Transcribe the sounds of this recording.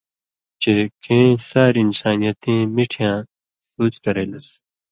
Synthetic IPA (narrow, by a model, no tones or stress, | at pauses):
t͡ɕekʰeẽsaːɾiːnsaːnijɐt̪ẽːmiʈʰijãː | suːt͡ɕkɐɾeːlɐs